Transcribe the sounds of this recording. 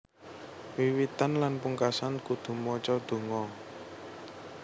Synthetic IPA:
wiwit̪anlanpuŋkasankud̪̥ṳmɔt͡ʃɔd̪̥o̤ŋɔ

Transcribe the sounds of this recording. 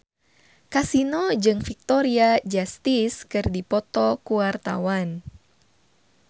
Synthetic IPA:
kasinɔd͡ʒɨŋfik̚t̪ɔɾiad͡ʒast̪iskɨrdipɔt̪ɔkuart̪a̰wan

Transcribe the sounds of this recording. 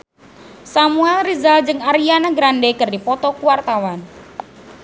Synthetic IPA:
samuɛlrizald͡ʒɨŋaɾianaɡɾandekɨrdipɔt̪ɔkuwart̪awan

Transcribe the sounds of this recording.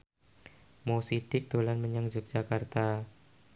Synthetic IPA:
mosid̥ɪk̚d̪̥olanməɲaŋd͡ʒʊk̚d͡ʒ̥akart̪a

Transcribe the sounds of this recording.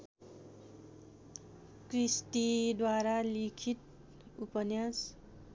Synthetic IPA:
krist̪id̪waɾalikʰit̪̚ | upʌnjas

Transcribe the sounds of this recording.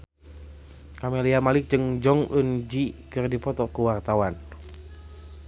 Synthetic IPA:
kamiliamalɪk̚d͡ʒəŋd͡ʒɔŋund͡ʒikɨrdipɔt̪ɔkəwart̪awan

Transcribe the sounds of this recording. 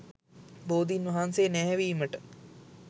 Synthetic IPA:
boːd̪inʋɐɦansenɛɦɛʋiːməʈə

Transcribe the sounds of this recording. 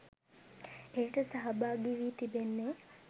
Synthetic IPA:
ejʈəsaɦɐbaːɡiʋiːt̪ibenːe

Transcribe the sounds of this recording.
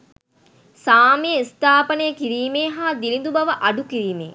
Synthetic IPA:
saːmejist̪aːpənəjəkiɾiːmeːɦaːd̪ilind̪ubɐʋəʔɐɖukiɾiːmḛː

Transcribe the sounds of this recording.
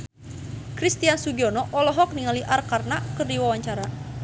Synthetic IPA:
kɾist̪iansuɡiɔnɔʔɔlɔɦɔk̚niŋaliʔarkarnakɨrdiwawaɲt͡ʃaɾa

